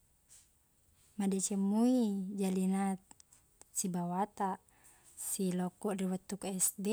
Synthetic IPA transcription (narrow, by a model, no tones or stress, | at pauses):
madɛt͡ʃɛmuid͡ʒalina | t͡ʃibawat̪a | silɔkɔriwət̪ukɛsdɛ